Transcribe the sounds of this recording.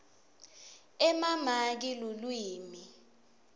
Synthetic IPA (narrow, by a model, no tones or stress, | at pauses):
ɛmamak̬ilolwiːmi